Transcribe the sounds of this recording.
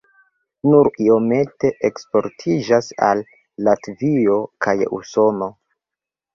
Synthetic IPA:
nuɾio̞me̞te̞ʔekspo̞ɾtʰid͡ʒasa̰lː | atvio̞kajṵso̞no̞

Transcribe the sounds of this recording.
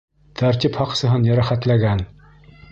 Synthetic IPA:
t̪ʰæɾt̪iphɑqsɤ̆ɦɤnjæɾæχæt̪læɡæn

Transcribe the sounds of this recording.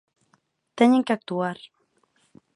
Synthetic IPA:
t̪eɲeŋkak̚t̪uaɾ

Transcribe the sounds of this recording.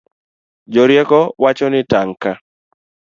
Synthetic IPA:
d͡ʒɔɾjɛkɔwat͡ʃɔnɪtaŋka

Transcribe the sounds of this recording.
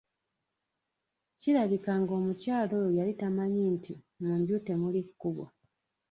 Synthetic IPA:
ciɾaβikaŋɡo̞ːmucaːlo̞jojalitamaɲinti | mumbjute̞mulikːuβwo̰

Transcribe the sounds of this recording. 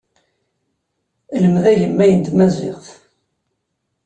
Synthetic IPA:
ləmðæjəmːæjənd̪mæzɪ̰ʁθ

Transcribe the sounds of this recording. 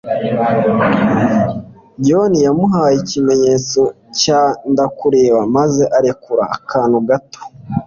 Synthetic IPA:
ɟonijamuɦaːjicime̞ɲeːt͡so̞ | caːndakuɾe̞ːβamaze̞ʔaɾekuɾa̰ːkʰaːnuɡato̥

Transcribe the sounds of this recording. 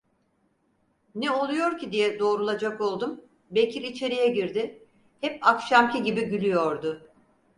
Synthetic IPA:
nɛo̞lˠujo̞ɾcid̪ijɛd̪o̞ːɾulˠad͡ʒako̞lˠd̪um | be̞cʰʲiɾit͡ʃʰe̞ɾijɛɟiɾd̪ɪ | hɛpakʃamciɟibiɟylʲyjo̞ɾd̪ʊ

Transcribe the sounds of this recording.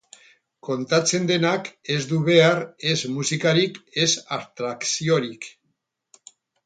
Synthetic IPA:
ko̞nt̪at͡se̞nd̪e̞nake̞zd̪uβ̞e̞are̞zmusikaɾike̞sast̪ɾaksio̞ɾik

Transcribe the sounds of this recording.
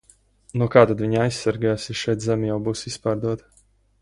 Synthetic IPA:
nuɔkaːt̪ad̪vʲiɲajsːaɾɡasiʃɛjt̪zɛmʲjawbuːsispaːɾd̪uɔt̪

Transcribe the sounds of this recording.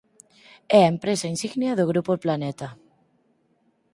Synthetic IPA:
ɛaempɾesainsiɣnjaðoɣ̞ɾupoplanet̪a

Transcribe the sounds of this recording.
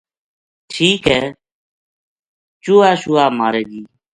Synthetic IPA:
ʈʰiːkɦɛː | t͡ʃuːaːʃʊːaːmaːɾeːɡiː

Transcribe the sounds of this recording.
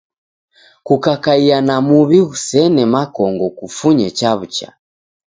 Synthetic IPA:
kukakaianamuβiɣusɛnɛmakɔŋɡɔkufuɲɛt͡ʃaβut͡ʃa̰

